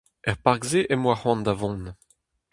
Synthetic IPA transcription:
ɛʁpaʁɡzeʔɛmwaχwɑ̃nd̪avɔ̃n

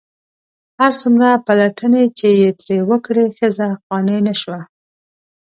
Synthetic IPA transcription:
haɾsumɾapalaʈənet͡ʃejet̪ɾewəkɽexəzafɣɑnənaʃwa

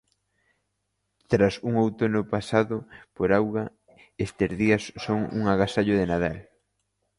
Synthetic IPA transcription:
t̪ɾasuŋowt̪onʊpasaðʊpoɾawɣa | est̪ezðiɐsːoŋṵŋaɣasaʎʊðenaðal

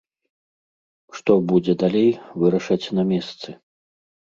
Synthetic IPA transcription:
ʂt̪ɔbud͡zʲɛd̪alʲejvɨɾɐʂɐt͡sʲnɐmʲɛst̪sɨ

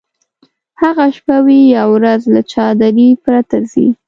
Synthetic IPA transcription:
haɣaʃpawijawɾazlat͡ʃɑd̪aɾipɾat̪azḭ

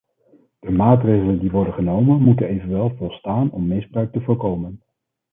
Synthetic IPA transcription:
d̥əmaːtrejχələndiʋɔɹdənχənowmənmutənejvənʋɛlˠvɔlˠstaːnɔmːɪzbrœɥk̚təvʊːɹkowmən

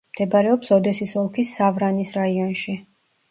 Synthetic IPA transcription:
md̪̥ɛbaɾɛɔpsɔd̪ɛsisɔlˠkʰisavɾanisɾaiɔnʃi

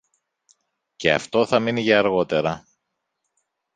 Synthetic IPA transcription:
ce̞ɐ̰ft̪o̞θɐminiʝɐɐɾɣo̞t̪e̞ɾɐ

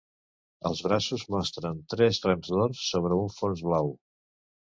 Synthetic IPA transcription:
əlˠzβɾasuzmɔst̪ɾənt̪ɾɛzrəmzðoɾsːoβ̞ɾəuɱfonzβlaw

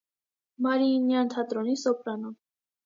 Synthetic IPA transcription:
mɑɾinjɑnt̪ʰɑt̪ɾɔnisɔpɾɑnum

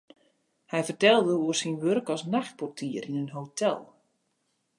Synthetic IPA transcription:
hɛjvərtɛlˠdəuərsinʋørkɔsnaxt̚pɔrtʰiəɾinənɦotʰɛ̰lˠ

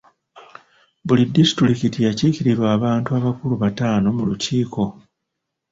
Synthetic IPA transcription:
bulidːisi̥tɾikitijaciciɾiɾwaːβaːntuaβakuluβataːno̞muluciːko̞

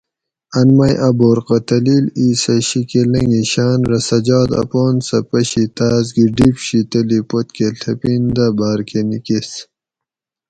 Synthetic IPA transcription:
ɐnmɐjʔɐboːɾqɐt̪ɐliliːsɐɕikelɐŋɡiɕaːnɾɐsɐd͡ʑɑːd̪ɐ̰poːnsɐpɐɕit̪aːzɡiɖipɕit̪ɐlipot̪keɬʰɐpind̪ɐbaːɾkʰenikis

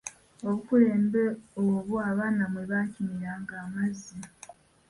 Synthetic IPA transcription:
o̞βukule̞ːmbe̞oβuaβaːnamwe̞βaːcimiɾaːŋɡaːmazːi

